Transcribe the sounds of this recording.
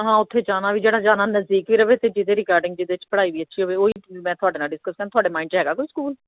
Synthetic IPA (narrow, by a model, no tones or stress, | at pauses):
ɦãːʊt̪ʰːeːd͡ʒaːnaːʋiːd͡ʒeːɽaːd͡ʒaːnaːnəzd̪iːkʋiːɾəʋeːt̪eːd͡ʒɪd̪eːɾɪkaːɾɖɪ̃ŋɡ̚d͡ʒɪd̪eːt͡ʃpəɽaːiːʋiːətːʃʰiːɦoːʋeːoːiːmɛ̃ːt̪ʰʊaːɖeːnaːɖɪskəskəɾ̃ːt̪ʊoaːɖeːmaːɪ̃ɳɖd͡ʒɦɛːɡaːkoːiːskuːl